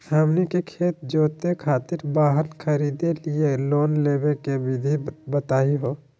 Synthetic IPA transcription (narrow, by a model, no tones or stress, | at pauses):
ɦəmnikekʰeːt̪̚d͡ʒoːt̪ekʰaːt̪ɪɾbaːɦəɾkʰəɾiːd̪elieloːnleːbekebɪd̪ʱibət̪aːiɦoː